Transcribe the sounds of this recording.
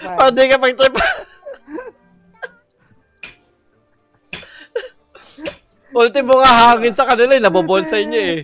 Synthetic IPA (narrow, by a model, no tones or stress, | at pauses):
pɐd̪ɪkɐpɐɡ̚t̪ɪpa | bʊlt̪ɪmoŋɐɦaːŋɪnsɐkɐnɪlajnɐboboʔnsɐʔɪɲːoʔɛ